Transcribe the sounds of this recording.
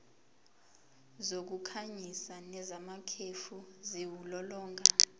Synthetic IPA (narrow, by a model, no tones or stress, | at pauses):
zok̬ukʰaɲisanɛzamakʰefuziwulɔlɔːŋʱa